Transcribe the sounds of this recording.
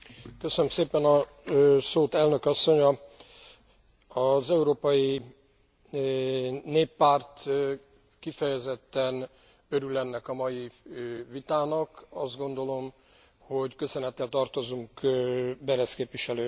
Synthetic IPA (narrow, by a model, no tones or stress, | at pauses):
køsønømseːpɛnɒ | soːt̪ɛlnø̞kɒsːo̞ɲɒ | ɒzɛuɾoːpɒji | neːpːaːrt̪ | kifɛjɛzɛt̪ːɛn | ø̞ɾylɛnːɛkɒmɒjivit̪aːnɒkɒzd̪̚ɡo̞nd̪o̞lo̞m | ho̞ɟkø̞sønɛt̪ːɛlt̪ɒrt̪o̞zuŋkbɛɾɛskeːpʋiʃɛløː